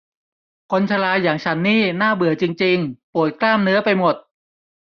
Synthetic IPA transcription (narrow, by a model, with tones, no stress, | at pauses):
kʰo˧nt͡ɕʰa˧laː˧jaː˨˩ŋt͡ɕʰa˦˥nːiː˥˩naː˥˩bɯ˨˩ət͡ɕi˧ŋt͡ɕi˧ŋpu˨˩ət̪̚klaː˥˩mnɯ˦˥ɐpa˧jmo˨˩t̪̚